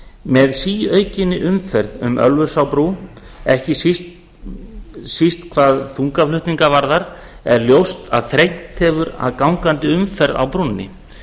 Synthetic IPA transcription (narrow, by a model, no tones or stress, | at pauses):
mɛðsiːœːɥcɪnːɪʔʏmfɛɾðʏ̰mʔœ̰lvʏ̥sawpɾu | ɛhcɪsist̪ | sist̪kʰvaːðθuŋkaflʏht̪niŋkavaɾðaɾ | ɛɾljowst̪a̰ðθɾejn̥t̪hɛvʏɾa̰ðkawŋkant̪ɪʏmfɛɾða̰wpɾunːɪ̰